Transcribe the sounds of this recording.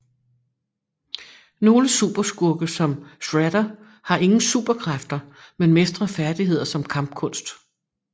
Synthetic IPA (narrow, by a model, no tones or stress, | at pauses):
no̝ːləsṵb̥ɐsɡ̥uɐɡ̥əsɒ̽msʁæɾ̥ɐ | hɑ̈ʔe̝ŋn̩sṵːb̥ɐkʰʁafd̥ɐmenme̝sd̥ʁɐfæɐd̥iɦe̝ð̞̰ˠɐsɒ̽mkʰɑ̈mb̥̚kʰɔ̽n̰sd̥